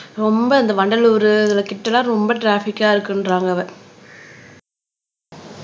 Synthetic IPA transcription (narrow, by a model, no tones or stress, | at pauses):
ɾɔmbɐɐnd̪ɐʋɐɳɖɐluːɾɯɐðɐɭɐkːɪʈːɐlãːɾɔmbɐʈɾaːfɪkːaːɪɾɯkːɪndrɾaːŋɡɐʋɐ